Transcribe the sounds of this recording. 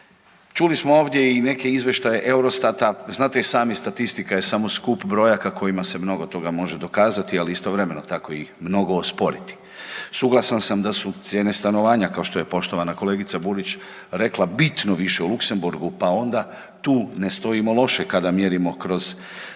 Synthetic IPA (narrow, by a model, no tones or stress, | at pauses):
t͡ʃulismooːʋd̪je̞ine̞ke̞izʋjeʃt̪ajeʔe̞uɾo̞st̪at̪aznaːt̪esaːmist̪at̪ist̪ikajesamo̞skupbɾo̞jakako̞jimase̞mno̞ɡo̞t̪o̞ɡamo̞ʒed̪o̞kaːzat̪ialiist̪o̞ʋɾe̞me̞no̞t̪ako̞imno̞ɡo̞ːspo̞ɾit̪i̥ | suɡlˠasansamd̪asut̪sʲjeːne̞st̪ano̞ʋaːɲakaoʃt̪o̞je̞po̞ʃt̪o̞ʋanako̞le̞ːɡit̪sabuɾit͡ɕ | ɾe̞klˠabit̪no̞ʋiʃe̞ulukse̞mbuɾɡupao̞nd̪a | t̪uːne̞st̪o̞imo̞lˠo̞ʃekad̪amjeɾimo̞kɾo̞z